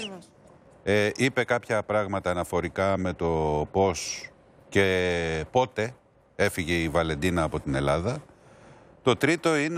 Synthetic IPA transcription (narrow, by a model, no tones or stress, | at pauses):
eʔipe̞kɐpçɐpɾɐɣmɐt̪ɐːnɐfo̞ɾikɐme̞t̪o̞po̞s | ce̞po̞t̪e̞ | e̞fiʝe̞ivɐle̞nd̪inɐːpo̞t̪ine̞lɐðɐ | t̪o̞t̪ɾit̪o̞in